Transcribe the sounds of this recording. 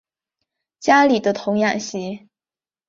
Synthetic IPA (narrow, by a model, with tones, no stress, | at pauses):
t͡ɕja˥li˨˩d̪ə˦t̪ʰʊ˧˥ŋjɑ˥˩ŋɕi˧˥